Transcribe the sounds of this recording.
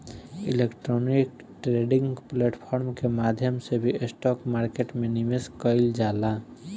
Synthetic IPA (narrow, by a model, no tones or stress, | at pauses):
ḭlekʈɾɔnik | ʈɾeɖɪ̃ŋɡpleʈpʰɔːɾmkemaːd̪ʱjəmsebʱiesʈɔːkmaːɾkeʈmenimeskəɪld͡ʒaːla